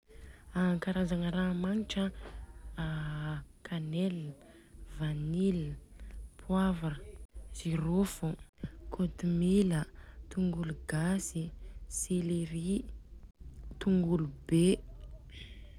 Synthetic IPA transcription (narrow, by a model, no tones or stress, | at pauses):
aŋkaɾazaŋəɾamaniʈ͡ʂə | kʰanel | vanil | pʰwavaz̥iɾofukʰot̪umilət̪uŋɡuluɡasiselɾi | t̪uŋɡulube